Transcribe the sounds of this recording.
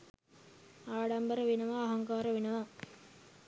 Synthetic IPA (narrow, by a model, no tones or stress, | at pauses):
aːɽɐmbəɾəʋinɐʋaːɦɐŋkaːɾɐʋinɐʋa